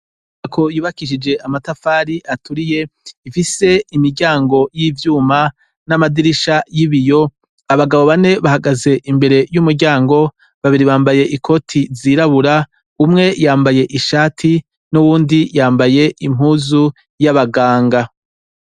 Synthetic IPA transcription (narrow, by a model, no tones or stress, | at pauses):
akʰo̞juːβakiʃ̬id͡ʒe̞ʔamatafaːɾiʔatʰuɾije̞ifise̞imiɾɟaːŋɡo̞jiːvjuːma | namadiɾiʃajiβijo̞ | aβaɡaβo̞βane̞βahaɡaze̞ʔimbe̞ɾe̞jumuɾɟaːŋɡo̞ | βaβiɾiβaːmbaje̞ʔikʰo̞tʰiziɾaβuɾa | umŋe̞jaːmbaje̞ʔiʃaːtʰi | nuβuːndijaːmbaje̞im̥huːzu | jaβaɡaːŋɡa